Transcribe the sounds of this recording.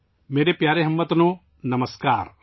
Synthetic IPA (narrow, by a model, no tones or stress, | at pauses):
meːɾepjaːɾeɦɪmːət̪nõː | nɐməskaːɾ